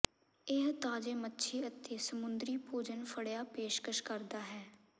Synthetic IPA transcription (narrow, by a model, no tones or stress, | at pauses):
ɪɦt̪aːd͡ʒeːmətːʃʰeːət̪eːsəmʊnd̪ɾiːpuːd͡ʒənpʰəɽjaːpeːʃkəʃkəɾd̪aːɦɛː